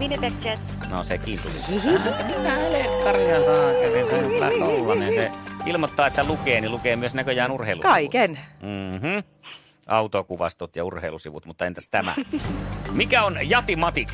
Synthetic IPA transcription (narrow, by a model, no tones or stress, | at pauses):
ʋinebekt͡ʃet̪ | no̰sekiːnt̪ulḭut̪ːɑmit̪æelekɑrheɑnsɑːkːækinsenelæ̰t̪olːɑnensseilmot̪ːɑːet̪ːælukeːnilukeːmyøsnækøjæːnurheilṵkɑikenm̩ːmm̩ | ʔɑut̪okuʋɑ̰st̪ut̪jɑurheilusiʋut̪mut̪ːɑent̪æst̪æmæ̰ | mikæonjɑt̪imɑt̪ik